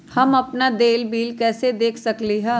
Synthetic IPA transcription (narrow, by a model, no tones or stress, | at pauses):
hɐmɐpnad̪eːlbiːlkɛːsed̪eːkʰsɐkliɦɛ̃ː